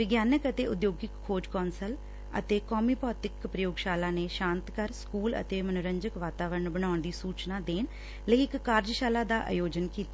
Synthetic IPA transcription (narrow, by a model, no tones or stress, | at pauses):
ʋɪɡjaːnəkət̪eːʊd̪joːɡɪkʰːoːd͡ʒkɔːnsəl | ə̰t̪eːkɔːmiːpɔːt̪ɪkpɾəjoːɡʃaːlaːneːʃãːnt̪kəɾskuːlə̰t̪eːmənʊɾəɲd͡ʒəkʋaːt̪aːʋəɾəɳbəñaːʊɳd̪iːsuːt͡ʃnaːd̪eːn | ləiɪkːaːɾd͡ʒʃaːlaːd̪aːʔa̰ːjoːd͡ʒənkiːt̪a